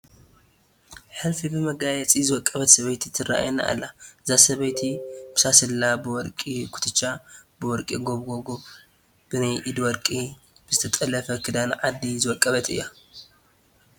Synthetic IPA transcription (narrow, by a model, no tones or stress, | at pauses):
ħɨlfibɨmɐɡajɛt͡sʼizɨwɔkʼːɐβɐt̪sɐβɐjt̪ʰit̪ʰɨra̰ʔa̰jna̰ʔa̰lːazasɐβɐjt̪ʰib̥ɨsasɨlːabɨwɔɾkʼikʰu̥t̪ʰɨt͡ʃːabɨwɔɾkʼiɡoβɡoɡoβ | b̥ɨnajʔid̪wɔɾkʼi | b̥ɨzɨt̪ʰɐt̪ʼɐlɐfɐkʰɨd̪anʕad̪ːizɨwɔkʼːɐβɐt̪ɨ̰jːa